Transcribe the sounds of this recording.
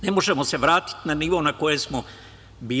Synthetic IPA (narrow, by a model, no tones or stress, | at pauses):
ne̞moʒemose̞ʋɾaːt̪i̥t̪naniːʋo̞nako̞je̞smo | biː